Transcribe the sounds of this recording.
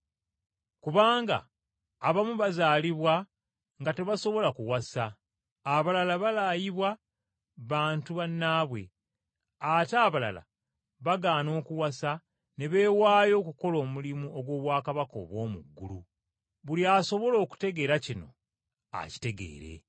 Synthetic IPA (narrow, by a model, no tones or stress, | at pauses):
kuβaːŋɡa̰ː | βamuβazaːliβwa | ŋɡate̞βaso̞βo̞lakuwasaː | βalalaβalajiβwa | βaːntuβanːaːβwe̞̰ | ataːβala̰la̰ | βaɡaːno̞ːkuwasa | ne̞βe̞ːwaːjo̞ːkuko̞lo̞ːmulimuoɡwo̞ːβwaːkaβako̞̰ːβwo̞ːmṵɡːṵlṵ | βuliaso̞βo̞lo̞ːku̥te̞ɡe̞ːɾacino̞̰ | a̰ci̥te̞ɡe̞̰ːɾe̞̰